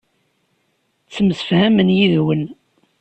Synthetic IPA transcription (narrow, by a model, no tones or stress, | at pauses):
t͡sːəmsə̥fhæmənjiðwən